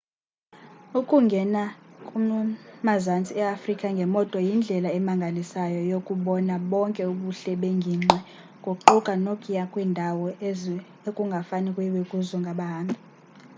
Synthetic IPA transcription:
ukʼuŋɡʱɛnakʼumazant͡sʼiɛafrikʼaŋɡʱɛmɔtʼwɔjind͡ɮʱɛlaɛmaŋɡʱalisajɔjokʼuɓɔnaɓɔŋkʼɛuɓuɬɛɓeŋɡʱiːŋ͡ǁɛ | ŋɡʱoǃukʼanokʼijakʼwiːndʱawɔz | ekʼuŋɡʱafanikʼwɛwekʼuzɔŋɡʱaɓaɦaːmbʱi

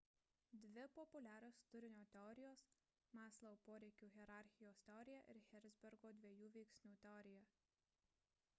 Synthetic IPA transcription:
d̪ʲʋʲɪpɔpʊlʲæːɾʲoːst̪ʊɾʲɪnʲoːt̪ʲɛɔɾʲɪjoːs | mɑːslˠɐpoːɾʲɛɪkʲuːɣʲɛɾɑˑɾʲxʲɪjoːst̪ʲɛɔɾʲɪjɛʔɪ̰ɾxʲɛɾʲd̪zʲbʲɛɾɡoːd̪ʲʋʲiɛjuːʋʲɛɪksʲnʲuːt̪ʲɛɔɾʲɪjɛ

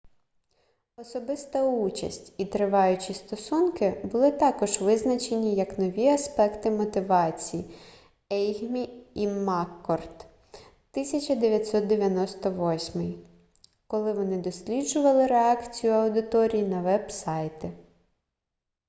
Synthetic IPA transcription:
ɔsɔbɪst̪ɐut͡ʃɐ̰sʲtʲit̪ɾɪʋɑjʊt͡ʃist̪ɔsunkɪbʊlˠɪt̪ɑkɔʒʋɪznɐt͡ʃe̞nʲijɐknɔʋʲiɐspɛkt̪ɪmɔt̪ɪʋɑt͡sʲiji | ɛjɦmʲiimɑkːɔrt̪ | t̪ːɪsʲɐt͡ʃɐd̪eʋʲjɐt̪ʲsɔt̪̚d̪eʋʲjɐnɔst̪ɔʋɔsʲmɪj | kɔlˠɪʋɔnɪd̪ɔsʲlʲidʒʊʋɐlˠɪɾeɑkt͡sʲijʊɐwd̪ɪt̪ɔɾʲijinɐʋɛbsɑjt̪ɪ

